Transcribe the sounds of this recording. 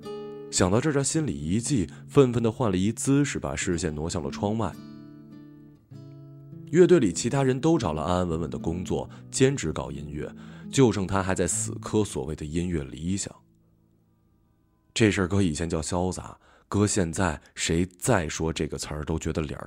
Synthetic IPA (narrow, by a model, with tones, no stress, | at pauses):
ɕjɑ˨˩ŋt̪ɑ˥˧ʊʈ͡ʂɤ˥˧˩t̪ʰa˥ɕi˥nli˨˩i˧˥t͡ɕi˥˧ | fə˥˧nfə˥˩nd̪ə˩xwa˥˩nlə˩i˧˥t͡sɹ̩˥ʂɻ̩˥˩pa̰˨˩ʂɻ̩˥˧ɕjɛ˥˩nnwɔ˧˥ɕjɑ˥˩ŋd̪ə˩ʈ͡ʂʰwɑ˥ŋma˥˩ɪ | jɥɛ˥˧t̪we˥˩ɪli˨˩t͡ɕʰi˧˥t̪ʰa˥ɻə˧˥nt̪o˥ʊʈ͡ʂɑ˨˩ʊlə̰˦ʔa˥a˥nwə˧˥nmə˨˩nd̪ə̰˦˩kʊ˥ŋt͡swɔ̰˥˩t͡ɕjɛ˥nʈ͡ʂɻ̩˧˥kɑ̰˨˩ʊi˥nɥɛ̰˥˩t͡ɕjo˥˧ʊʈ͡ʂʰɤ˥˩ŋt̪ʰa˥xa˧˥ɪt͡sa˥˩ɪsɹ̩˨˩kʰɤ˥swɔ̰˨˩we˥˩ɪd̪ə˩i˥nɥɛ˥˩lḭ˧˥ɕjɑ̰˨˩˦ŋ | ʈ͡ʂe˥˧ʂə˞˥˩kɤ˥i˨˩t͡ɕʰjɛ˧˥nt͡ɕjɑ˥˩ʊɕjɑ˥ʊt͡sa̰˧˥˦ | kɤ˥ɕjɛ˥˧nt͡sa˥˩ɪʂe˧˥ɪt͡sa˥˩ɪʂwɔ˥ʈ͡ʂɤ˥˩ɡə˩t͡sʰə˞˧˥t̪o˥ʊt͡ɕɥɛ˧˥d̪ə˧ljɑ̰˨˩˥